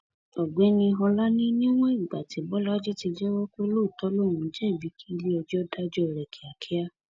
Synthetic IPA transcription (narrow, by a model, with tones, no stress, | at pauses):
ɔ˨ɡ͡be˨˦nĩ˧ɦɔ˧la˦nĩ˦nĩ˦w̃ɔ̃˦i˦˨ɡ͡ba˨ti˨˦bɔ˨˦la˦d͡ʒe˦ti˧d͡ʒɛ˦wɔ˦ko˦lo˦˨tɔ˨˦lõ˦˨ũ˨˦d͡ʒɛ˦i˦˨bi˨˦kʰi˦˧li˦ɔ˧d͡ʒɔ˦da˦d͡ʒɔ˦˨ɾɛ˨kʰi˨a˨kʰi˦a˦